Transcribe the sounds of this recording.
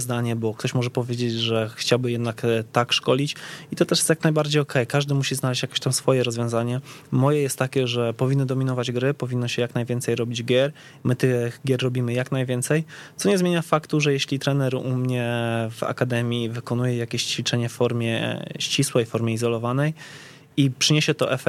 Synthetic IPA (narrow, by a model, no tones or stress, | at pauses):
zd̪aɲɛbɔk̚t̪ɔɕmɔʐɛpɔvʲjed͡ʑed͡ʑʐɛxt͡ɕawbɘjɛd̪nakt̪akʂkɔlʲit͡ɕit̪ɔt̪ɛʂ̬jɛst̪jaknajbaɾd͡ʑejɔkʰɛjkaʐd̪ɘmuɕiznalɛɕt͡ɕjakʲe̥ɕt̪amsfɔjɛɾɔzvʲjɔ̃zaɲɛmɔjɛjɛst̪ːakʲɛʐɛpɔvʲinːɨd̪ɔmʲinɔvad͡ʑɡɾɘpɔvʲinːɔɕɛjaknajvʲjɛnt̪sɛjɾɔbʲid͡ʑɡʲjɛɾ | mɘt̪ɘɣɡʲjɛɾːɔbʲimɘjaknajvʲjɛnt̪sɛjt̪sɔɲɛzmʲeɲafakt̪uʐɛjɛɕlʲit̪ɾɛnɛɾṵmɲɛva̰kad̪ɛmʲjivɘkɔnujɛjakʲeɕt͡ɕfʲit͡ʂɛɲɛffɔɾmʲjɛ̰ɕt͡ɕiswɛjfɔɾmʲjɛizɔlɔvanɛj | ipʂɨɲeɕɛt̪ɔʔɛfɛ